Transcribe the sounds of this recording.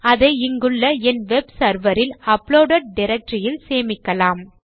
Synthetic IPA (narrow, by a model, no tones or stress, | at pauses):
ɐðɐɪɪŋɡɯɭːɐɛnʋɛbsɐɾʋɐɾɪlɐpɭoːɖɐʈ̚ɖɪɾɐk̚ʈrɪjɪlseːmɪkːɐlaːm